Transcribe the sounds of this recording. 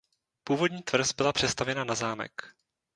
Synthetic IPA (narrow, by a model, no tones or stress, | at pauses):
puːvo̞dɲiːt̪vr̩sbɪlapr̝̥ɛst̪avjɛnanazaːmɛ̰k